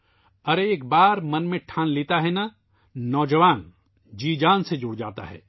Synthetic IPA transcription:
ɐɾeːkbaːɾmɐnmẽʈʰãːnliːt̪aɦɛna | nɔːd͡ʒəʋaːn | d͡ʒiːd͡ʒaːnsed͡ʒʊːɽd͡ʒaːt̪a̰ɦɛ̰ː

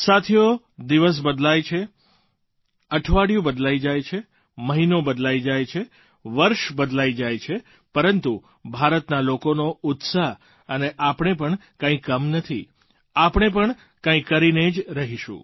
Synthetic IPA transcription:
sat̪ʰijo | d̪iʋəs̬bəd̪lajt͡ʃʰe | əʈʰʋaɽjũbəd̪laid͡ʒajt͡ʃʰe | məɦinobəd̪laid͡ʒajt͡ʃʰe | ʋəɾʃbəd̪lajd͡ʒajt͡ʃʰe | pəɾənt̪u | bʱaɾət̪nalokonoʊt̪saɦ | əneʔapɳ̃epəɳkãĩkəmnət̪ʰi | apɳ̃ep̬əɳ | kãĩkəɾined͡ʒɾəɦiʃṵ̃

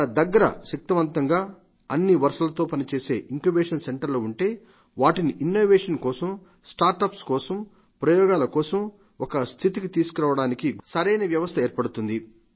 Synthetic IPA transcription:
ɐnɐd̪ɐɡːɐɾɐ̰ʃɐk̚t̪ɐʋɐnt̪ɐŋɡaː | ɐnːiʋɐɾʂɐlɐt̪o̞ːpɐnit͡ʃe̞ːse̞ːʔiŋkubeːʂɐnse̞ɳʈɐɾloːuɳʈe̞ː | ʋaːʈiniʔinːoːʋeːʂɐnkɔːsɐm | sʈaːɾʈɐpskɔːsɐm | pɾɐjɔːɡaːlɐkɔːsɐm | ɔkɐst̪ʰit̪ikit̪iːsukuɾaːʋɐɽaːnikisɐɾɐjnɐʋjɐʋɐst̪ʰɐeːɾpɐɽut̪und̪i

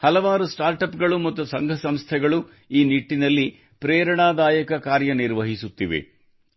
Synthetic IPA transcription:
hɐlɐʋaːɾusʈaːɾʈɐpɡɐɭumɐt̪ːusɐŋɡʱɐsɐmst̪ʰɛɡɐɭu | iːniʈːinɐlːi | pɾɛːɾɐɳaːd̪aːjɐkɐkaːɾjɐniɾʋɐɦisut̪ːiʋḛ

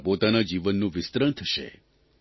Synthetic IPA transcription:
pot̪anad͡ʒiʋənːũʋɪst̪ɾənt̪ʰəʃḛ

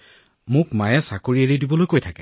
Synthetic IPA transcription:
mʊkmajɛsakoɹieɹidibɔlojkojtʰakɛ

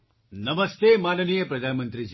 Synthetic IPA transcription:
nɐməst̪emaːnənijəpɾɐd̪ʱanmənt̪ɾid͡ʒ

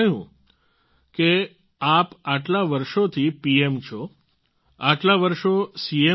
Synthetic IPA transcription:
əɦṵ̃ | ke | apaʈlaʋəɾʃot̪ʰipiemt͡ʃʰo | aʈlaʋəɾʃosie

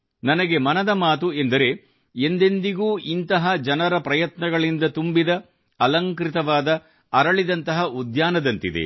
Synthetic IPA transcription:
nɐnɐɡe̞mɐnɐd̪ɐmaːt̪̬ue̞nd̪ɐɾe̞ | end̪end̪iɡuːʔint̪ɐɦɐd͡ʒɐnɐɾɐpɾɐjɐt̪nɐɡɐɭind̪ɐt̪umbid̪ɐ | ɐlɐŋkɾit̪ɐʋaːd̪ɐ | ɐɾɐɭid̪ɐnt̪ɐɦɐud̪jaːnɐd̪ɐnt̪id̪ḛ

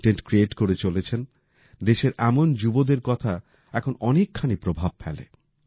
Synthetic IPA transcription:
ʈeɳʈkɾieʈkoɾet͡ɕolet͡ɕʰen | d̪eʃeɾɛmond͡ʑubod̪eɾkɔt̪ʰa | ɛkʰonɔnekʰːanipɾobʱab̚fɛ̰lḛ

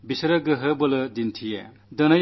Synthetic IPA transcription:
bisɐɾɐɡɯɦɯbɐlɯdintʰije | dɐnɐj

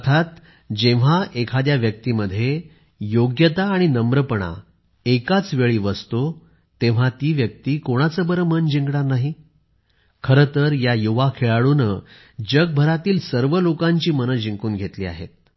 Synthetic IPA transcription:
əəɾt̪ʰat̪ | d͡ʑẽʋ̤aʔekʰad̪jaʋjək̚t̪iməd̪ʱːje | joɡjət̪aːɽ̃inəmbɾəpəɳ̃a̰ | ekat͡sʋeɭiːʋəst̪o | t̪ẽʋ̤at̪iːʋjək̚t̪iːkoɽ̃at͡səbəɾəmənd͡ʑiŋɡɳaɾnaɦi | kʰəɾət̪əɾjajuʋakʰeɭaɭunə | d͡ʑəɡ̚bʱəɾat̪iːlsəɾʋəlokãɲt͡ɕiːmənət̪d͡ʑiŋkuːnɡʱet̪liːa̰ɦḛt̪̚

